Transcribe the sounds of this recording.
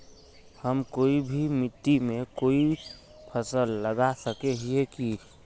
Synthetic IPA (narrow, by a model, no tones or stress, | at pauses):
həmkoibʱimit̪ːimekoi | pʰəsəlːəɡasəkeɦijeki